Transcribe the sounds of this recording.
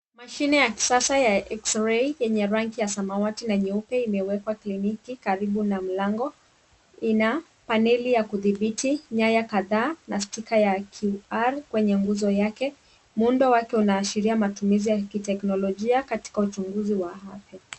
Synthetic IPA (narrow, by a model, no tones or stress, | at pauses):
maʃinɛjaki̥sasajaʔɛksɾɛjɛɲɛɾaŋkijasamawatinaɲiupɛimɛwɛkwaklinikikaɾiɓunam̩laŋɡɔ | ina | panɛlijakuðiɓitiɲajakaðaːnastikajakʰuaɾkwɛɲɛŋɡuzɔjakɛ | muundɔwakɛunaːʃiɾiamatumizijakitɛknɔlɔʄiakati̥kaut͡ʃuŋɡuziwahafja